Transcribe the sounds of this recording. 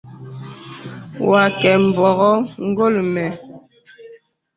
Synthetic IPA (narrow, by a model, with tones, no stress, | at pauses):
wa˨kɛ˨m̩˨bɔ˨ɣɔ˦ŋ̩˦ɡo˦˨lmɛ˨